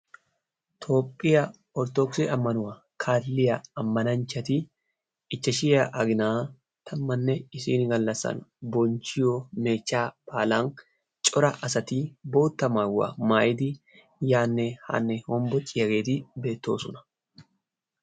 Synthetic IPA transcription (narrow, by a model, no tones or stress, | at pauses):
t̪ʰo̞ːpʼːɪjɐ | ɔɾt̪ɔksɛɐmːɐnʊwɐ | kʰaːlːɪjɐɐmːɐnɐnt͡ʃːɐt̪ɪ | ɪt͡ʃːɐʃɪjɐʔɐɡɪnaː | t̪ʰɐmːɐnːɛɪsiːnɡɐlːɐsɐ̰nbɔnt͡ʃɪjome̞ːt͡ʃːaːpaːlaːn | t͡ʃʼɔɾɐʔɐsɐt̪iːbo̞ːt̪ːɐmawːɐ̰maːjɪd̪ɪ | jaːnːɛha̰ːnːɛhɔmbɔt͡ʃʼɪjɐɡe̞ːt̪ɪbe̞ːt̪ːo̞ːsɔnɐ̥